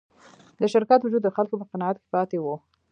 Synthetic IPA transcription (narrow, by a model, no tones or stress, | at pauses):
d̪əʃɪɾkat̪wud͡ʒud̪ːəxalkopəqɪnɑat̪̚ke̥pɑt̪ewu